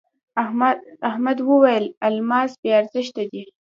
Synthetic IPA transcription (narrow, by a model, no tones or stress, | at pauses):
ahmad̪wəwajəlalmɑzbeaɾzəʃt̪ad̪i